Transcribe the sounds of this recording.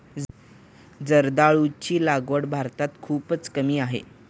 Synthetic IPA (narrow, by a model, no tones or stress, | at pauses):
d͡zəɾd̪aɭut͡ɕiːlaɡʋəɽbʱaɾt̪at̪kʰuːpət͡skəmiːaɦḛ